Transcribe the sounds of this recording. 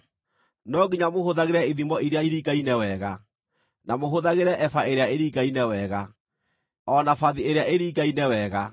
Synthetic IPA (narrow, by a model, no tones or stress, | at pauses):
nɔɣiɲamohoðaɣeɾɛiðimɔiɾeaiɾikainɛwɛɣa | namoɦoðaɣeɾɛʔɛfaeɾeaeɾikainɛwɛːɣa | ɔnafaðieɾeaʔeɾikainɛwɛɣa